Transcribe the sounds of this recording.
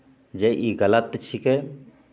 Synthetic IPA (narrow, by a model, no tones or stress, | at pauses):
d͡ʒeʔiɡələt̪ːt͡ʃʰike